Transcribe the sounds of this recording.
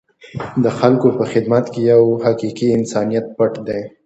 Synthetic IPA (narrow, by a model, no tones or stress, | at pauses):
d̪əxalkopəxɪd̪mat̪kejawhaqiqiɪnsɑnijat̪̚paʈd̪e